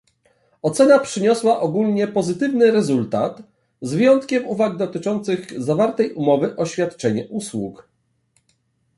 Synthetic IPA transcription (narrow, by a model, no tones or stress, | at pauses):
ɔt̪sɛnapʂɘɲɔswaʔɔɡulɲɛpɔzɘt̪ɘvnɘɾɛzult̪at̪ | zvʲjɔnt̪kʲɛmuvaɡd̪ɔt̪ɘt͡ʂɔnt̪sɘɣzavaɾt̪ɛjʔumɔvɘʔɔɕfʲjat̪t͡ʂɛɲɛʔuswuk